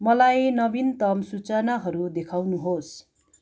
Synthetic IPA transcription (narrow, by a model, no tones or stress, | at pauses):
mʌlajnʌbint̪ʌmsut͡sanaɦʌɾud̪ekʰawnuɦos